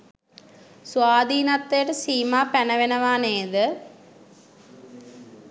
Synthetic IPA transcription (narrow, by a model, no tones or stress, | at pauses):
suʋaːd̪iːnɐt̪ːejʈɐsiːmaːpɛnɐʋenɐʋaːneːd̪ə